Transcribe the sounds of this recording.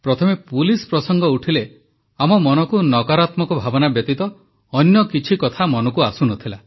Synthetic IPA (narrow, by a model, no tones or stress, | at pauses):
pɾɔt̪ʰɔmepulispɾɔsɔŋɡɔuʈʰile | amɔmɔnɔkunɔkaɾat̪mɔkɔbʱabɔnabjɔt̪it̪ɔ | ɔnjɔkit͡ʃʰikɔt̪ʰamɔnɔkuasunɔt̪ʰila